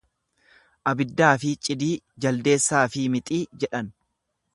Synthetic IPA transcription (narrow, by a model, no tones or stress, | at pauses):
ʔɐbɪd̪ːaːfɪt͡ʃʼɪd̪iːd͡ʒɐld̪e̞ːsːaːfɪmɪt̪ʼiːd͡ʒɛᶑɐn